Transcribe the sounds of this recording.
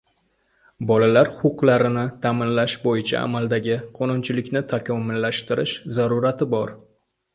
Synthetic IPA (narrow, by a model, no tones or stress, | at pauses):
bɒlalaɾχʊqlˠaɾɪnɪt̪ʰamɪnlaʃbojɪt͡ʃʰa̰a̰malˠd̪aɡʲɪqʰonʊnt͡ʃʰɪlɪkʲnɪt̪ʰakʲʰɒmʊlːaʃt̪ɪɾɪʃzaɾʊɾat̪ʰɪbɒɾ